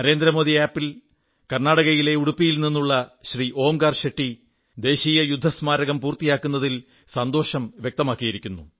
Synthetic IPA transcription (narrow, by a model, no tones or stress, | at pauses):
nɐɾe̞ːnd̪ɾɐmo̞ːðiaːpːil | kɐrnaːɽɐɣɐjile̞uɽupːijilninːuɭːɐɕriʔo̞ːmɡaːrɕeʈːi | d̪e̞ːɕiːjɐjud̪ʱːɐsmaːɾɐɣɐmpuːrt̪ijaːkːunːɐðil | sɐnd̪o̞ːɕɐmʋjek̚t̪ɐmaːkːijiɾikʲːunːṵ